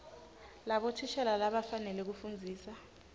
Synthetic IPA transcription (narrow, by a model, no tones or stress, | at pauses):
laɓɔtʰiʃɛlalaɓafanɛlɛk̬ufund͡zʱiːsa